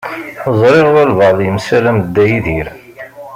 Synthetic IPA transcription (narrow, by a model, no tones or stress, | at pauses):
əzˤɾˤeʁælvɑðˤjəmsælæməd̪ːæjiðiɾ